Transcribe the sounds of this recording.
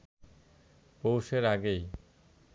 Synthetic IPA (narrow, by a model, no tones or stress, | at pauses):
powʃeɾaɡej